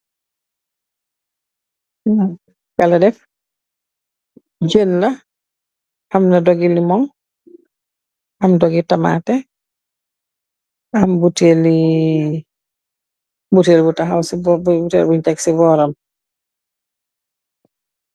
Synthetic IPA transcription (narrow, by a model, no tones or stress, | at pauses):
kaladɛp | d͡ʒenla | hamnadɔɡilimɔŋ | amdɔɡitama̰tɛ | ambuteli | butelbutaɦawsibɔbbutelbuintɛksibɔɾɔm